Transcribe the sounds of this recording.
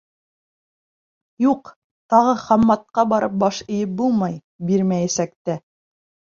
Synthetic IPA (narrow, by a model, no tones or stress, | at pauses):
juq | t̪ɑʁɤχɑmːɑt̪̚qɑbɑɾɤp̚bɑʃɘ̆jɘp̚bulˠmɑj | biɾmæjæsæk̚t̪æ